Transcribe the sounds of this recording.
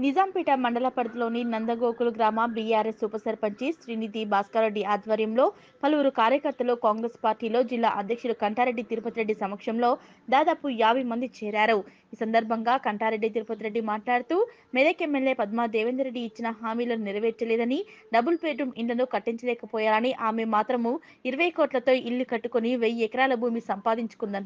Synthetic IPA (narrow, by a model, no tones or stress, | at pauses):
nid͡ʒaːmpiːʈɐmɐɳɖɐlapɐɾd̪ɐlo̞ːninɐnd̪ɐɡoːkulɡɾaːmaːbijaːɾesuːpɐsɐɾpɐɲt͡ʃisɾiːnid̪ibaːskaːɾeɖːiaːd̪ʋɐɾjɐmlo̞ː | pɐluʋuɾukaːɾjɐkɐɾt̪ːɐlukaːŋɡɾespaːɾʈiːlo̞ːd͡ʒilːa̰ːʔɐd̪ʱjɐkʂulukɐɳʈaːɾe̞ɖːit̪iɾpɐt̪iɾe̞ɖːisɐmɐkʂɐmlo̞ː | d̪aːd̪aːpujaːʋɐjmɐnd̪it͡ʃɛːɾaːɾu | iːsɐnd̪ɐɾbʱɐŋɡaːkɐɳʈaːɾe̞ɖːit̪̬iɾpɐt̪iɾe̞ɖːimaːʈlaːɽut̪uː | mɛd̪ekemːeljeːpɐd̪maːd̪ɛːʋend̪ɐɾe̞ɖːiːt͡ʃːinɐɦaːmiːlɐnuniɾɐʋeːt͡ʃːɐleːd̪ɐniɖɐbulpeːʈumiɳʈlɐnukɐʈːiɲt͡ʃɐlɛːkɐpɔːjaːlɐniʔaːmemaːt̪ɾɐmu | iɾɐʋɐjkoːʈlɐt̪o̞ːʔilːikɐʈːukoniʋejɛkɐɾaːlɐbʱuːmisɐmpaːd̪iɲt͡ʃu̥kund̪ɐn